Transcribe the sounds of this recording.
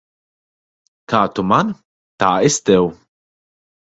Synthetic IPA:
kaːt̪ʊmɐn | t̪aːɪst̪ɛw

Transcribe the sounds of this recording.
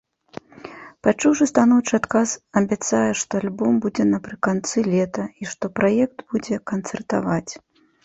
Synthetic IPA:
pat͡ʂuwʐɨst̪anɔwt͡ʂɨat̪kasɐbʲat̪sajɛʂt̪ɔalʲbɔmbud͡zʲɛnɐpɾɨkant̪sɨlʲɛt̪ɐiʂt̪ɔpɾajɛk̚t̪b̥ud͡zʲɛkɐnt̪sɛrt̪a̰vat͡sʲ

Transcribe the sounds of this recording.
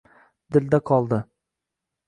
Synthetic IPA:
d̪̥ɪld̪aqʰɒlˠd̪ɪ

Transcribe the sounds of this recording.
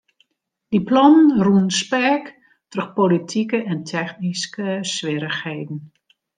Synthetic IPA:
diplɔnənruənspɛrk | trɵxpolitʰikəʔɛntʰɛxniskəsʋɪɾəxhejdn̩

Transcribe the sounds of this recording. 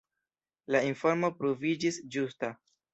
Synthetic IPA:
lainfo̞ɾmo̞pɾovid͡ʒisd͡ʒusta

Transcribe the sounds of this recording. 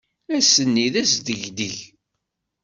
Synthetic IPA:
æsənːiðæsd̪əʝd̪əʝ

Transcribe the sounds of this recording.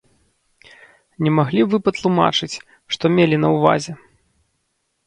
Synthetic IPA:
nʲɛmaɣlʲivɨpɐt̪lˠuma̰t͡ʂɨt͡sʲ | ʂt̪ɔmʲelʲinɐwva̰zʲɛ

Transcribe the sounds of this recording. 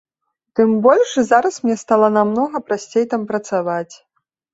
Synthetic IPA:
t̪ɨmbɔlʲʂzaɾɐsmnʲɛst̪alˠɐnamnɔɣɐpɾasʲt͡sʲejt̪ampɾɐt̪savat͡sʲ

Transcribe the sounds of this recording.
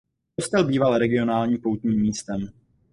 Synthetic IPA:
post̪ɛlbiːvalɾɛɡɪo̞naːlɲiːmpowt̪ɲiːmːiːst̪ɛm

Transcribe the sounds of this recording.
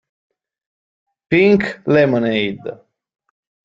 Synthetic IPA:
piŋklɛmənejd̪

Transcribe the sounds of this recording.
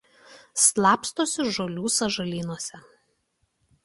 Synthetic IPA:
slˠɑːpst̪oːsʲɪʒoːlʲuːsɐʒɐlʲiːnoɔsʲɛ

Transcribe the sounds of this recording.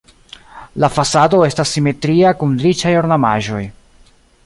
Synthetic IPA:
lafasado̞e̞stasːime̞tɾiakundɾit͡ʃajo̞ɾnama̰ʒo̞j

